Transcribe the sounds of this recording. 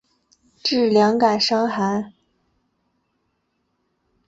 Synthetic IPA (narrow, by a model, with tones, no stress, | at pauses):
ʈ͡ʂɻ̩˥˩ljɑ˧˥ŋka˨˩ɪʂɑ˥ŋxa˧˥n